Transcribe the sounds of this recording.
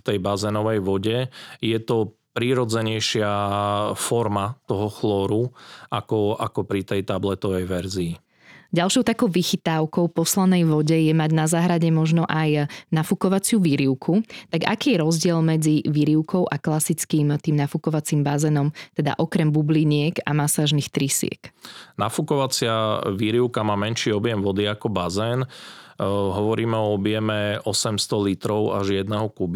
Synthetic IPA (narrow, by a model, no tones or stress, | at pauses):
ft̪ɛjbazɛnɔʋɛjʋɔɟɛjɛt̪ɔ | pɾiɾɔd͡zɛɲɛjʃɪa | fɔɾmat̪ɔɦɔxlɔːɾuʔakɔakɔpɾit̪ɛjt̪ablɛt̪ɔʋɛjʋɛɾziː | ɟalʃɔʊt̪akɔʊʋixit̪aʊkɔʊpɔslanɛjʋɔɟɛjɛmaɟnazaːɦɾaɟɛmɔʒnɔʔajnafukɔʋat͡sɪuʋiɾiʊkʰut̪aɡa̰kiːjɛɾɔzɟɪɛlmɛd͡ziʋiɾiʊkʰɔʊʔaklasit͡skiːmt̪iːmnafukɔʋat͡siːmbazɛːnɔmt̪ɛd̪a̰ʔɔkɾɛmbubliɲɪɛka̰masaːʒnixt̪ɾisɪɛ̰knafukɔʋat͡sɪaʋiɾiʊkamaːmɛnʃiːɔbɪjɛmʋɔd̪iakɔbazɛːn | ɦɔʋɔɾiːmɛɔɔbjɛmɛɔsɛmst̪ɔlit̪ɾɔʊa̰ʒjɛd̪̚nɛɦɔkubi